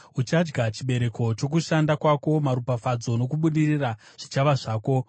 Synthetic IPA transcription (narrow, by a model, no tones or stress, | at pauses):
ut͡ʃad͡ʒɡat͡ʃiɓe̞ɾe̞ko̞t͡ʃo̞k̬uʃandakwako̞maɾupafad͡zo̞no̞kuɓuɗirira | ʐ̥it͡ʃaʋaʐaːko̞